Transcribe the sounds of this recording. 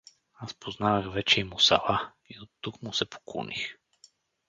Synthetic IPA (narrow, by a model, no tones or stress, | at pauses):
aspoznavəxvɛt͡ʃɛimʊsɐ̰lˠa | iot̪ːukmʊsɛpo̥ko̰nḭx